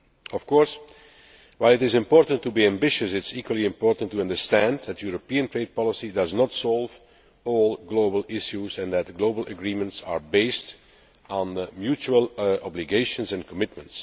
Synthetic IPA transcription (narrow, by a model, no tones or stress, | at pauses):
ɔfkɔɹs | waɪlˠɪtɪzɪ̃mpɔːɹtə̃n̩tːubiæ̃mbɪʃəsɪtsikwəlˠiɪ̃mpɔːɹtə̃n̩tːuʌ̃ndəɹstæ̃ndðætʰjuɹopiə̃ntɹeɪd̚pɑləsidʌznɔtsɔlˠv | ɔlˠɡloʊbəl̩ˠɪʃjuzɛ̃nðætɡloʊbəl̩ˠʔəɡɹiːmə̃ntsaɹbeɪst | nmjut͡ʃuəlˠɑbliɡeɪʃə̃nsɛ̃nkʰɔmɪt̚mə̃nts